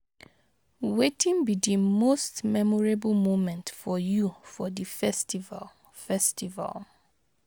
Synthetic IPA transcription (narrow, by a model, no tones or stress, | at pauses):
wetĩnbidimostmɛmɔɹeblmomɛ̃ntfɔjufɔdifɛstiva̰l | fɛstʰiva̰lˠ